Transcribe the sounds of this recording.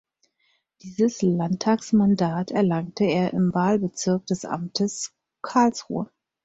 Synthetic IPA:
d̥iːzəslantʰaːksmandaːtʰɛɐlaŋtʰəeːɐʔɪmvaːlbət͡sɪɐk̚d̥ɛsʔa̰mtʰəs | kʰaɐlsʁṵːə

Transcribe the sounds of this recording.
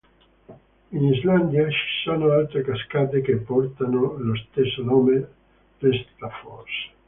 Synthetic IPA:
inizland̪jat͡ʃi̥sonoalt̪ɾekaskat̪ekepɔɾt̪anolost̪esonome | p̪est̪afɔɾs

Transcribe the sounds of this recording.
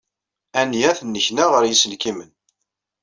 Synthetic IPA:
ænjæθənːəçnaʁəɾjisəlkimən

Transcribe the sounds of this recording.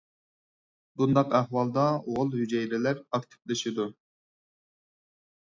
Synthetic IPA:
bund̪ɑqæχwɑlˠd̪ɑoʁʊlˠhyd͡ʒɛjd̪ɛlæɾɑkt̪ʰɪ̥plɪʃid̪u

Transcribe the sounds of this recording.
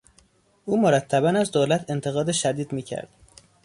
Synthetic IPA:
ʔuːmoɾæt̪ʰːæbænæzd̪oːlæt̪ʰe̞nt̪ʰe̞ɣɒːd̪eʃæd̪iːd̪miːcʰæ̰ɾd̪̥

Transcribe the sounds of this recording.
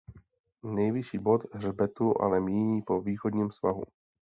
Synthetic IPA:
nɛjvɪʃiːbo̞t̪ɦrbɛt̪uʔa̰lɛmiːɲiːpo̞viːxod̪ɲiːmsva̰ɦṵ

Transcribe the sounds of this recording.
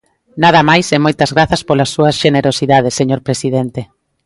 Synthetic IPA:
naðɐmajsemojt̪ɐzɣɾaθɐspolɐsːuɐsʃeneɾosiðað̞esːeɲoɾpɾesiðent̪e

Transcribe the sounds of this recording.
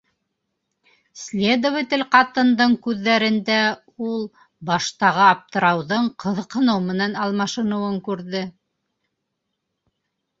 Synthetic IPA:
slʲed̪ovɘt̪ɘlqɑt̪ɤ̆nd̪ɤɴkʉðːæɾɘ̆nd̪æ | ulˠ | bɑʃt̪ɑʁɤɑp̚t̪ɤ̆ɾɑwðɤɴqʰɤ̆ðɤ̆qɤ̆nɤwmɘ̆nænɑlˠmɑʃɤ̆nɤ̆wɤŋkʉɾðɘ

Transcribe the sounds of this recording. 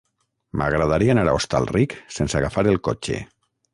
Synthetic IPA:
mʔa̰ɣɾaðaɾianaɾaost̪a̰lriksensaɣafaɾelˠko̰t͡ʃḛ

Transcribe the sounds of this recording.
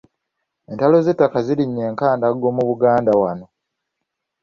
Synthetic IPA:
e̞ntalo̞ze̞tːakaziɾiɲːe̞ːŋkaːndaɡo̞muβuɡaːndawano̞

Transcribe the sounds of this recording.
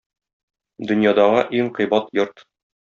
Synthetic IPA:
d̪ɵ̆njɑd̪ɑʁɤʔiŋqɤ̆jbɑt̪jɤɾt̪

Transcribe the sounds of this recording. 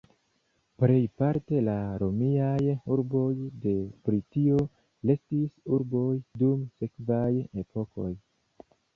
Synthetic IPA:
ple̞jpaɾte̞laɾo̞miajuɾbo̞jde̞bɾitio̞ | le̞stisuɾbo̞jdumse̞kvajepʰo̞ko̞̰j

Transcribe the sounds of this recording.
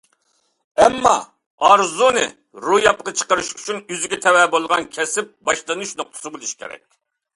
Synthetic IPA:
ɛmːɑ̰ | ɑɾzunɨ̰ | ɾujɑp̚qɑt͡ʃʰə̥qəɾɨʃyt͡ʃʰynyzɪɡʲɛt̪ʰɛwɛbolˠʁɑnkʲʰɛsɪp̚bɑʃlˠɨnuʃnoq̚t̪ʰʊ̥sɨbolˠuʃi̥kʲḛɾɛ̰kʲ

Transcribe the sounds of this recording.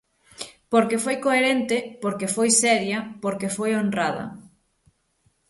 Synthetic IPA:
poɾkefojkoeɾent̪ɪpoɾkefojsɛɾjɐpoɾkefojonrraðɐ̰

